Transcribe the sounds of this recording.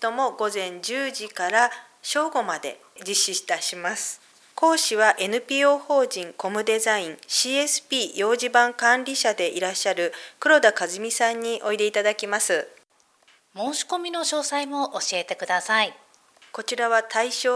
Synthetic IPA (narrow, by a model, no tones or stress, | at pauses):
t̪o̞mo̞ɡo̞zẽ̞ɲ̟d͡ʑɨːʑikaɾa | ɕo̞ːɡo̞mad̪e̞̰ | d͡ʑiɕiɕi̥t̪aɕimasɨ̥ | ko̞ːɕiβaʔe̞nɯ̟pʲiːo̞ːho̞ːʑĩŋko̞mɯ̟d̪e̞zaĩŋɕiːe̞sɨ̥pʲiːjo̞ːʑibãŋkãnɾʲiɕad̪e̞ʔiɾaɕːaɾɯ̟kɯ̟ɾo̞d̪akazɨmʲisãɲ̟ːiʔo̞id̪e̞it̪ad̪akʲimasɨ | mo̞ːɕi̥ko̞mʲino̞ɕo̞ːsaimo̞ʔoɕie̞t̪e̞kɯ̟d̪asai | ko̞t͡ɕiɾaβat̪ʰaiɕoː